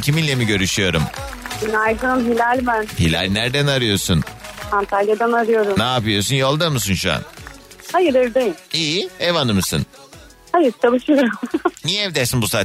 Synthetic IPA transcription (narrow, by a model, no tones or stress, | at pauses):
cʰiminlʲemiɟø̞ɾyʃyjo̞ɾumbinajzɯɯmɦilʲalʲbænhilʲa̰lʲnæɾd̪ænaɾɯjo̞ɾsunant̪ʰalʲjad̪anaɾɯjo̞ɾumnaːpɯjo̞ɾsunjo̞lˠd̪amɯs̬unʃua̰n | hajɯɾeɾd̪ejimiːevanɯmɯsɯ̰n | hajɯɾt͡ʃʰalˠɯʃɯjo̞ɾumnijɛɛvd̪æɾsinbusaː